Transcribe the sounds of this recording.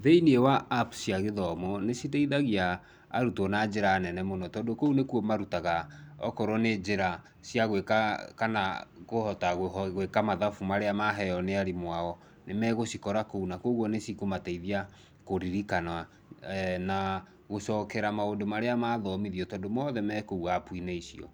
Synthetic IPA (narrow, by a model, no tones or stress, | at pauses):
ðeiniewaːpu̥siaɣeðɔmɔnesit̬aiðaɣiaː | ɾutɔnad͡ʒeɾaːnɛnɛmonɔtɔdokounekwɔmaɾutaɣaɔkɔɾɔned͡ʒeɾa | sjaɣwekakana̰ɣohɔtaɣɣekamaðafumaɾeamaɦɛjɔneaɾimwaɔ | nemɛɣosikɔɾakounakoɣwɔnesikomataiðia | koɾiɾikana | na | ɣosɔːkɛɾamaondomaɾeamaðɔmiðiɔtɔdomɔːðɛmɛkouapwineisiɔ̰